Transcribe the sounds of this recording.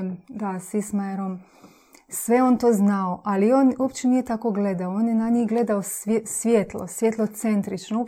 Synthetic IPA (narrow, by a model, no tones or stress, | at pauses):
nd̪asismajeɾom | sʋeont̪oːznaoʔalioːnopt͡ʃenijet̪akoɡled̪aooːnjenaɲixɡle̞d̪aossʋʲjeːt̪lˠo̰sʋjet̪lˠot̪sent̪ɾit͡ʃno